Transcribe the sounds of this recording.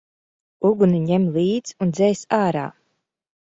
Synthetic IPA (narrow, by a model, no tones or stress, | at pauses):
uɡuniɲɛmlˠiːd̪zund̪zɛjsaːɾa̰ː